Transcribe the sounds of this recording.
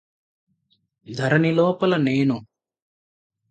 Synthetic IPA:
d̪ʱɐɾɐnilɔːpɐlɐneːnu

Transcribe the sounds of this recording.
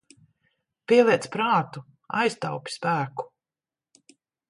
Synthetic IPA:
piɛlˠiɛt̪spɾaːt̪u | a̰jst̪awpʲi̥spæːku̥

